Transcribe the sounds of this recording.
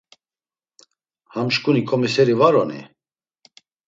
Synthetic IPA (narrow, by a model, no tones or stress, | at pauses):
hamʃkʼunikʰɔmisɛɾivaɾɔnḭ